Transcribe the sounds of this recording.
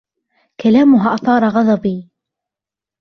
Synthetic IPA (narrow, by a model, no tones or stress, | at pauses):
kalaːmʊɦaʔɑθˤɑːɾˤɑɣɑd̪ðˤɑbiː